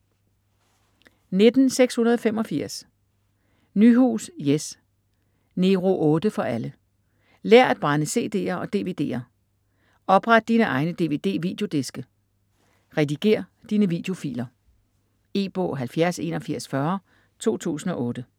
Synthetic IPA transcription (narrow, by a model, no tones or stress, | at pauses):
ne̝d̥n̩seɡ̥shunɐð̞ˠɒ̽femɒ̽fiɐ̰s | nyɦṵːsjes | ne̝ʁo̝ʔɔ̽ːd̥əfɒ̽ʔælə | lɛɐ̰æd̥̚b̥ʁɑnəse̝̰ːd̥e̝̰ːɐɒ̽d̥e̝ʋe̝d̥e̝̰ːɐ | ɒ̽b̥ʁad̥̚d̥iːnəʔɑ̈ɪnəd̥e̝ʋe̝̰ːd̥e̝̰ːʋid̥jo̝d̥e̝sɡ̥ə | ʁɛd̥iɡ̥e̝̰ɐ̰d̥iːnəʋid̥jo̝fḭːlɐ | e̝̰ːb̥ɔ̰̽ːɦælfjæɐse̝̰nɒ̽fiɐ̰sfɶɐ | t͡sʰo̝̰ːt͡sʰṵːsn̩ɒ̽ʔɔ̽ːd̥ə